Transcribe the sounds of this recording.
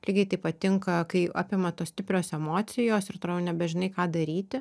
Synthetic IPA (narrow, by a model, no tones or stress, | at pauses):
lʲiːɡʲɐɪt̪ɐɪpɐt̪ʲɪŋkɐkɐɪʔɑ̰ːpʲɪmɐt̪oːst̪ʲɪpʲɾʲoːsɛmoːt̪sʲɪjoːsɪɾt̪olʲɛʊnʲɛbʲɛʒʲɪnɐɪkɑːd̪ɐɾʲiːt̪ʲɪ